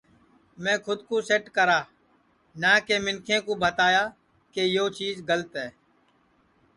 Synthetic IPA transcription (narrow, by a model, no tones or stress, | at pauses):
mɛ̃ːkʰʊd̪koːseːʈkəɾaː | nãːkeːmɪnkʰẽːkoːbʱət̪aːjaː | keːjoːt͡ʃiːzɡələt̪ɦɛː